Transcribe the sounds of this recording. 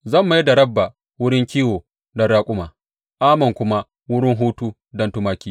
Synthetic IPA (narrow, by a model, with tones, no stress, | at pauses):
zɐ˦˨mːa˨jdɐ˨ɽɐ˦bːa˨ | wʊ˦ɽɪ˦ŋkʲiː˦woː˨ | dɐ˦ɽaː˦kʷʼʊ˦maː˨ | ʔaː˦mɐ˨ŋkʷʊ˦ma˦ | wʊ˦ɽɪ˦ŋɦuː˦tuː˦ | dɐ˦ntʊ˦maː˦kʲiː˦